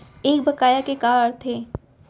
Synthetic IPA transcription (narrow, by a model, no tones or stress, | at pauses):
eːk̚bɐkaːjakekaːɾt̪ʰeː